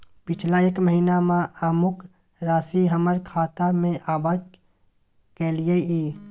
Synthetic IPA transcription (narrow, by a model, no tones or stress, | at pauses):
pɪt͡ʃʰlaeːkməɦiːnamãaːmʊk | ɾaːsiɦəməɾkʰaːt̪amẽʔaːbaːd͡ʒ | kelijeiː